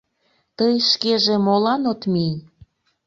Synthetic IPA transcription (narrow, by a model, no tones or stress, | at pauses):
t̪əjʃkeʒemolɑnot̪minʲ